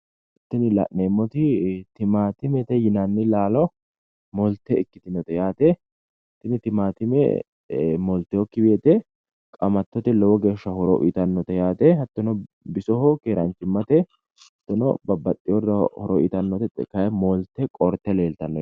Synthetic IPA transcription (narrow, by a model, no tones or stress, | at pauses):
ɪt̪ːɪnɪlɐ̰ʔneːmːɔt̪ɪt̪ɪmaːt̪ɪmɛt̪ɛjɪnɐnːɪlaːlɔ | mɔlt̪ːɛɪkːɪt̪ɪnɔt̪ɛjaːt̪ɛ | t̪ːɪnɪt̪ɪmaːt̪ɪmɛ̰ | mɔlt̪ːɛjɔkːɪbeːt̪ɛ | kʼɐmɐt̪ːɔt̪ɪlɔwɔɡe̞ːʃːɐhɔɾɔʔɪt̪ɐnːɔt̪ɛjaːt̪ɛhɐt̪ːɔnɔ | bɪsɔhɔkeːɾɐnt͡ʃːɪmːɐt̪ɛ | hɐt̪ːɔnɔ̰bɐbɐt̪ʼːɪjɔdɐhɔɾɔʔɪt̪ɐnːɔt̪ɛt̪ɛ̰kɐjɛmɔlt̪ːɛkʼɔɾt̪ːɛle̞ːlt̪ɐnːɔ